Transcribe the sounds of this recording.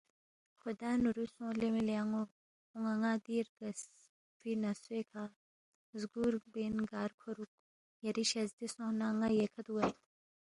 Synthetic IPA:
xud̪aːnuɾusõːlemiliaŋo | uŋaŋaːd̪iːɾɡɐs | finɐsweːkʰaː | zɡuːɾbeːnɡaːɾkʰoɾuk̚ | jɐɾiʃɐzd̪isõːnaːŋajekʰɐt̪uwɐt̪

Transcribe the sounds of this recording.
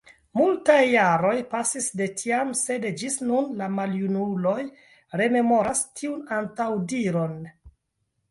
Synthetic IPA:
multajːaɾo̞jpasisde̞tʰiamse̞dd͡ʒisnunlamaljunulo̞j | ɾe̞me̞mo̞ɾastʰiunantawdiɾo̞n

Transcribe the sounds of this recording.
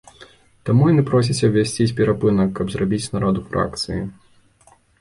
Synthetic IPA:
t̪amujɐnɨpɾɔs̬ʲit͡sʲɐwvʲasʲt͡sʲisʲpʲɛɾapɨnɐkːɐbzrabʲit͡sʲnaɾɔd̪ufɾa̰kt̪sɨji

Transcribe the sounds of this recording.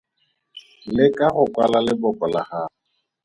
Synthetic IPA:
lɪkʼahʊkʼwalalɪbɔkʼɔlahaːʊ

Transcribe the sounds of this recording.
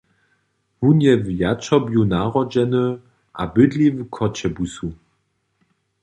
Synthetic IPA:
hunjɛvjat͡ʃɔbjunaʁɔd͡ʒɛnə | ʔabɪdlivkʰɔt͡ɕɛbusu

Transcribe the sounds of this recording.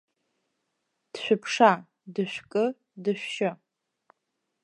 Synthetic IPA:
d̥ʃʷᶣʊpʰʂa | dɨʃʷᶣkʼɨ | dɨɕʷᶣʃɪ

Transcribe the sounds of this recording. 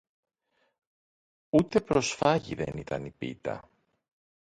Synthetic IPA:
ut̪e̞pɾo̞sfɐʝḭðe̞̰nit̪ɐnipḭt̪ɐ̰

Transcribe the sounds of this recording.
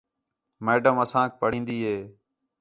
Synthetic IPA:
meːɖəməsãːk̚pəɽĩːnd̪iːɦeː

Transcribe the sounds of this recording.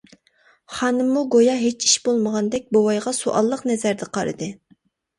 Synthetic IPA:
χɑnɨmːuɡojɑɦet͡ʃiʃbolˠməʁɑnd̪ɛk̚ʲbowɑjʁɑsuʔɑ̰lˠːəqnɛzæɾd̪ɛqʰɑɾɨ̰d̪ɨ

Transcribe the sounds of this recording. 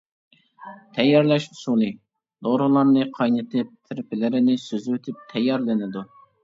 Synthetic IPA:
t̪ʰɛjːɑɾlɛʃusulˠi | d̪̥oɾʊlˠɑɾnɨqʰɑjnɨt̪ʰɪp̚t̪ʰɪɾpɪlɪɾɪnɪsøzwet̪ʰɪp̚t̪ʰɛjːɑɾlɪnɪd̪u

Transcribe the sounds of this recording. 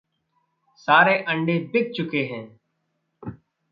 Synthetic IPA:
saːɾeːʔə̃ɳɖeːbɪk̚t͡ʃʊkeɦɛ̃ː

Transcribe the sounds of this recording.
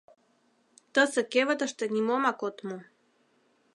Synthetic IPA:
t̪əsĕkevət̪ə̆ʃt̪ənʲimomakot̪mu

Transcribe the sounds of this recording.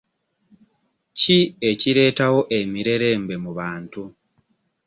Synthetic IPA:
cie̞ciɾe̞ːtaho̞ʔe̞miɾe̞ɾe̞ːmbe̞muβaːntu

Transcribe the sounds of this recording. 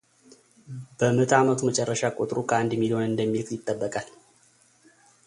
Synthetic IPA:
b̥əmət̪ʰamət̪ʰumət͡ʃʼɛrːəʃakʼot̪ʼɾukʰəand̪milihonɨnd̪əmːilkjɪt̪ʼːəbːəkʼal

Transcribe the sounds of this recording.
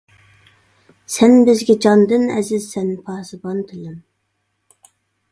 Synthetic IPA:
sɛnbɪzɡʲɛd͡ʒɑnd̪ɨnɛ̰zɪzsɛnpʰɑːsɨbɑnt̪ʰɪlɪm

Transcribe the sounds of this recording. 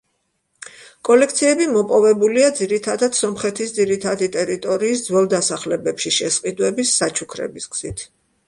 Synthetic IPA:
kʼɔlɛkʰt̪sʰiɛbimɔpʼɔvɛbuliad̪ziɾit̪ʰad̪ad̪̥sɔmχɛt̪ʰisd̪ziɾit̪ʰad̪it̪ʼɛɾit̪ʼɔɾiːsd̪zwɛlˠd̪asaχlɛbɛpʃiʃɛsqʼid̪wɛbisːat͡ʃʰukʰɾɛ̰bisɡz̥it̪ʰ

